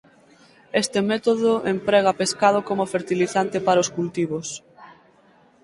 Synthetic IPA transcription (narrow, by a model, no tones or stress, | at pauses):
est̪emɛt̪oðoʔempɾɛɣ̞apeskaðokomʊfeɾt̪iliθant̪epaɾʊskult̪iβos